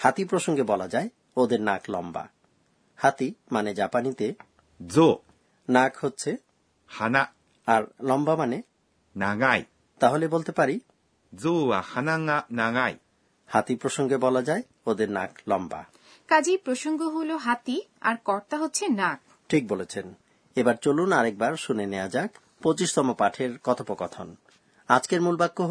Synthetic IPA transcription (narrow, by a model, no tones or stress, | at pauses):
hat̪ipɾoʃoŋɡebɔlad͡ʑae | od̪eɾnaklɔ̰mba̰ | hat̪imaned͡ʑapanit̪e | zo | nakhotːɕʰe | hanaʔ | aɾlɔmbamane | naŋaj | t̪aɦolebolt̪epaɾi | zoahanaŋaʔnaŋaj | hat̪ipɾoʃoŋɡebɔlad͡ʑae | od̪eɾna̰k̚ʰlɔmba̰ | kad͡ʑipɾoʃoŋɡoɦuloɦat̪ia̰ɾkɔɾt̪aɦotːɕʰenak̚ | ʈʰik̚bolet͡ɕʰen | ebaɾt͡ɕolunaɾɛk̚baɾʃunenead͡ʑak | pot͡ɕiʃt̪ɔmopaʈʰeɾkɔt̪ʰopokɔt̪ʰo̰n | ad͡ʑkeɾmulbakːo